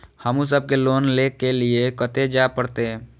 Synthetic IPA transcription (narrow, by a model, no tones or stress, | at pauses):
həmus̬əb̚keloːnlekeliekət̪ed͡ʒapəɽt̪e